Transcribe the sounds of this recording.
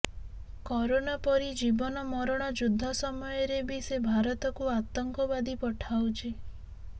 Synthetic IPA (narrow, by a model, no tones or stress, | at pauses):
kɔɾonapɔɾid͡ʒibɔnɔmɔɾɔɽ̃ɔd͡ʒud̪ʱːɔsɔmɔjɔɾebʱisebʱaɾɔt̪ɔkuat̪ɔŋkɔbad̪ipɔʈʰawt͡ʃʰe